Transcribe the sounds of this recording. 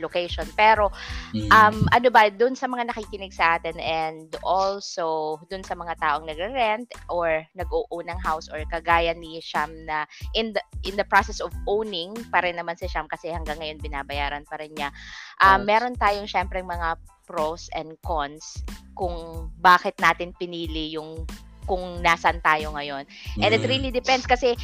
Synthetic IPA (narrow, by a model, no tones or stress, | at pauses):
lokɛjʃonpɛːɾo̞ʔɐmʔɐnobɐd̪ʊnsɐmɐŋanɐkiːkɪnɪɡsɐʔaːt̪ɪnʔɛnd̪ʔolsod̪ʊnsɐmɐŋat̪aːʔo̞ŋnɐɡɾɛɾɛnt̪ʔoɹnɐɡ̚uːʔuːnɐŋɦawsʔɔɹkɐɡaːjɐniʃamnɐʔɪnd̪ɐʔɪnd̪ɐpɾasɛsovʔownɪŋpɐɾɛnːɐmansɪʃamkɐsɛhɐŋɡɐŋːɐjo̞nbɪnaːbɐjaːɾɐnpɐɾɛnɲaʔɐmːɛːɾo̞nt̪aːjoŋʃɛmpɾɛŋmɐŋapɾosɛnd̪̚konskʊŋbaːkɪt̪̚naːt̪ɪnpɪniːlɪjʊŋkʊŋnaːsɐnt̪aːjo̞ŋɐjo̞nʔɛnd̪ɪt̪ɾilid̪ɪpɛ̃nd̪skɐsɛ